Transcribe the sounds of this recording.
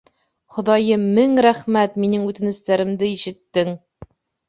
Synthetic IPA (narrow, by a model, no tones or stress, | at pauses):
χŏðɑjɤmɘŋɾæχmæt̪minɘŋʉt̪ɘ̆nɘ̆st̪æɾɘ̆md̪ɘiʃɘ̆t̪ːɘŋ